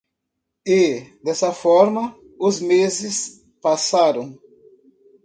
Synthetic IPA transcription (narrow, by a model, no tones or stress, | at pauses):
ɪd̪ɛsɐfɔɾmɐ | ʊzmezɪs | pasaɾɐ̃w̃